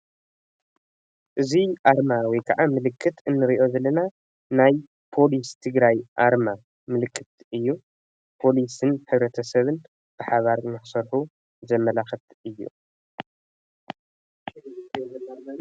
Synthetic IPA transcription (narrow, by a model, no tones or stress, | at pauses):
ʔɨziʔaɾmawɔjkʰɐʕamɨlɨkʰːɨt̪ʰɨnːɨɾiʔo̞zɐlːɐna | naj | pʰo̞list̪ʰɨɡɾajʔaɾma | mɨlɨkʰːɨt̪ | ɨjːu | pʰo̞lisɨnħɨβɾɐt̪ʰɐsɐβɨn | b̥ɨħaβaɾnɨħsɐɾħu | zɐmːɐlaxɐt̪ɨjːṵ